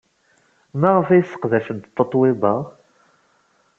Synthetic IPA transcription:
mæʁəfæjsːə̥qðæʃənt̪t̪ːət̪ˤːwebɑ

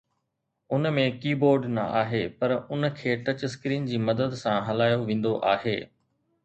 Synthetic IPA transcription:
ʊnmẽkiːboːɾɖnɐ̰aːɦeːpɐɾʊnkʰeːʈɐt͡ɕɪskɾiːnd͡ʑiːmɐd̪əd̪sãɦɐlaːjoʋẽːn̆d̪oʔaːɦeː

